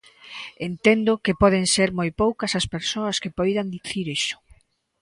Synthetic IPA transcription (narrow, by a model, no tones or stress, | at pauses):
ent̪end̪ʊkɪpɔðeŋseɾmojpowkɐsɐspeɾsoɐskepɔjðand̪iθiɾeʃʊ̥